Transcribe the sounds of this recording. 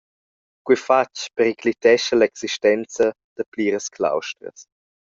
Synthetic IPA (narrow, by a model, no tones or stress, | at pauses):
kwifat͡ʃpəɾiklitɛʃəlɛksiʃtɛnt͡sə | d̪̥əpliːɾəskʰla̰wʃtɾə̰s